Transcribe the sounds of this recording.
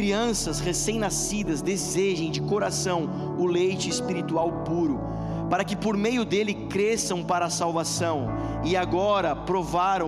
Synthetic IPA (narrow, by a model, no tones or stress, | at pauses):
ɾiɐ̃sɐshesẽj̃nasid̪ɐzd̪ezeʒẽj̃d͡ʒɪkoɾasɐ̃w̃ | ʊlejt͡ʃɪːspiɾit̪uawpuɾʊ | paɾɐkɪpoɾmejʊd̪elɪkɾesɐ̃w̃paɾɐaːsawvasɐ̃w̃ | ɪaɡɔɾɐpɾovaɾɐ̃